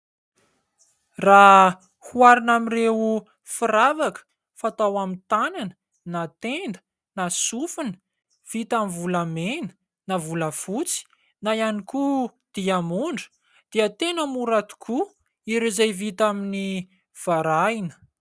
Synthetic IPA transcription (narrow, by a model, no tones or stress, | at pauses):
ra | huaɾinamirewu | firavakə̥ | fat̪awamit̪ananə̥ | nat̪end̪ə̥ | nasufunə̥ | v̥it̪amivulamenə̥ | navuləfut͡si̥ | najanikud̪̥iamuɳɖ͡ʐə̥ | d̪̥iət̪enəmuɾat̪u̥kʰu | iɾizejvit̪amini | v̥aɾainə̥